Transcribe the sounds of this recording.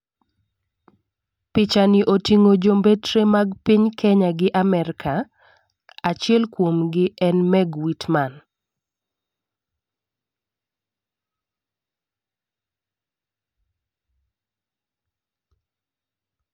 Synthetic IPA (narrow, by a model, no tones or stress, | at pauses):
pɪt͡ʃaniʔotiŋod͡ʒombetɾemaɡpiɲkʰɛɲaɡɪʔamɛɾkʰa | at͡ʃɪɛlkwomɡɪɛnmɛɡwitman